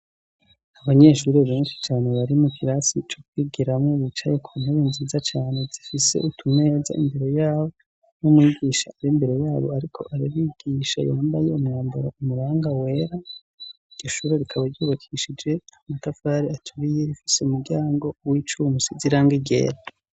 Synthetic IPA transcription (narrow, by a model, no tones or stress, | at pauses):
aβaɲe̞ːʃuɾeβeːnʃi̥t͡ʃaːne̞βaɾimukʰiɾasit͡ʃokwiɡiɾamŋoβit͡ʃaje̞kʰuneβinziːzat͡ʃaːne̞zifise̞̰ʔutʰune̞ːza̰ḭmbeɾo̞jaːβo̞ | numwiːɡiʃaːɾimbe̞ɾe̞jaːβo̞aɾikʰo̞̰ʔaɾiβiːɡ̥iːʃa̰jaːmbaje̞umŋaːmbuɾaumuɾaːŋɡawe̞ɾa | iɟ̥oʃuːɾe̞ɾikʰaβaɾɟuːβakʰiʃid͡ʒe̞amatafaɾiatʰuɾijeɾifi̥seumuɾɟaːŋɡo̞wit͡ʃumusiziɾaːŋɡiɡḛɾa